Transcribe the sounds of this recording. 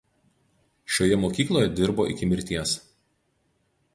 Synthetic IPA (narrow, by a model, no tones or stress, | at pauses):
ʃʲoːjɛmoːkʲiːklˠoːjɛd̪ʲɪɾboːʔɪ̰kʲɪmʲɪɾʲt̪ʲiɛs